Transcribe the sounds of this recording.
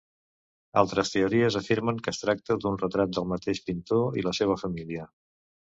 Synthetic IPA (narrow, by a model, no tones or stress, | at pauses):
alˠt̪ɾəst̪euɾiəzəfiɾməŋkəst̪ɾak̚t̪əd̪unrət̪ɾat̪̚d̪əlˠmət̪eʃpint̪oḭləseβ̞əfəmiliə